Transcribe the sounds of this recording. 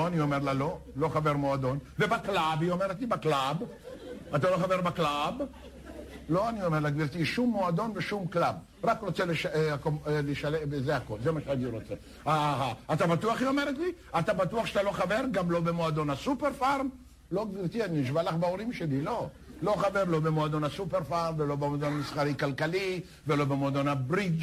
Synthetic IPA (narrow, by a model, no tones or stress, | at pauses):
oaniome̞ʁlalo̞ | lo̞χave̞ʁmoad̪o̞nvebaklabiome̞ʁet̪libaklab | at̪alo̞χave̞ʁbaklab | lo̞anio̞meʁlaɡviʁt̪iʃumːo̞ad̪o̞nveʃumklab̚ | ʁakʁo̞t͡seleʃkomleʃalevezeako̞lzemaʃeaniɾo̞t͡se | aɦaat̪abat̪uaχiomeɾet̪li | at̪abat̪uaχʃeat̪alo̞χave̞ʁɡamlo̞bemoad̪o̞nhasupeʁfaʁm | lo̞ɡviʁt̪ianiʃvalaχbeoʁimʃe̞lilo̞ | lo̞χaveʁlo̞bemoad̪o̞nhasupeʁfaʁmvelo̞bemod̪onamisχaʁikalkali | velo̞bemoad̪onabʁiɡ